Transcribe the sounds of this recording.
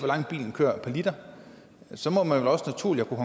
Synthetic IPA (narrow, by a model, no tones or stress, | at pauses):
ʋɒlɑ̈ŋ̰b̥ḭːln̩kʰø̰ɐ̰pʰælid̥ɐ | sɒ̽mɒ̥̽mænʋelɒ̽sənæt͡sʰṵɐ̰liɐkʰuhɑ